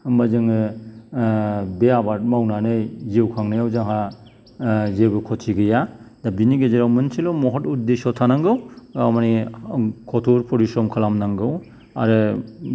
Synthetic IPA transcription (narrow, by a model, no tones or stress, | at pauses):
mazɯŋɯ | beabaɾt̚mawnanɯjzewkʰaŋnajawzaŋɦa | zebɯkʰɔtʰiɡɯjadabiniɡezeɾawmɯnsʰilomɔɦɔtut̚desɔtʰanaŋɡɯwamani | kʰɔtʰuɾpʰɔɾisɾɔmkʰalamnaŋɡɯw | a̰ɾɯ